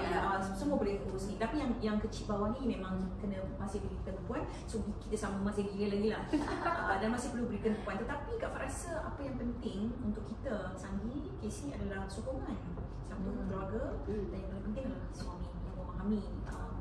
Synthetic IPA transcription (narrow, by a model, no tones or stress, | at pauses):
əsəmuəbolɛkuɾusnit̪apijaŋjaŋkət͡ʃit̪̚bawahnimẽmãŋkənə̃masɪhbəɾit̪ənpuan | sukit̪əsaməmasɪhɡiɡəlaɡilahədanmasɪhpərlubəɾik̪ənəmpuant̪ət̪apikaʔfaʔɾasəapəjaŋpənt̪ɪŋunt̪ʊʔkːit̪ə | saŋɡi | kesnĩadalahsukuŋãn | sam̚t̪uk̪əluaɡədanjãŋpolapənt̪ɪŋlasəamijaŋməmaɦamiəm